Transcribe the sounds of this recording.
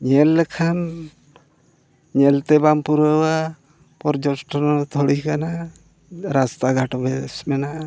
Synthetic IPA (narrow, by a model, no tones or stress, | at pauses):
ɲɛlːɛkʰam | ɲɛlt̪ɛbampuɾəwa | pɔɾd͡ʒɔsʈɔnɔt̪ʰɔɽikana | ɾast̪aɡʱaʈɔbɛsmɛnaʔ